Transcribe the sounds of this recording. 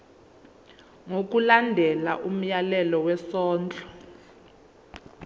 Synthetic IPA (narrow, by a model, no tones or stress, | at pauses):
ŋok̬ulandʱɛlaʔum̩jalɛlɔwɛsɔːnd͡ɮʼɔ